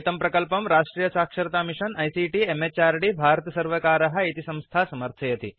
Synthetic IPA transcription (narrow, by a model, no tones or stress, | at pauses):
t̪ɐmpɾɐkəlpɐmɾaʂʈɾiːjɐsaːkʂɐɾt̪amiʂənɐjsiʈiemet͡ɕaɾɖiːbʱaɾt̪ɐsɐɾʋəkaːɾɐɦɐit̪isɐ̃w̃st̪ʰasɐməɾt̪ʰɐjɐt̪ḭː